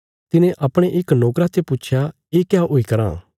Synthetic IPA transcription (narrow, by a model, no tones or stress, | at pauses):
t̪ɪnẽʔɐpɽ̃eʔɪkloːkɾat̪epʊt͡ʃʰja | eːkɪjaoːikɐɾã̰ː